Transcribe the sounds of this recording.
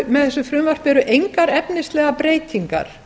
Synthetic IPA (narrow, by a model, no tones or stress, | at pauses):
mɛðθɛsːʏfɾʏmvar̥pɛɾʏʔejŋkaɾɛpnɪst̪lɛːɣapɾeːjt̪ʰiŋka̰ɾ̥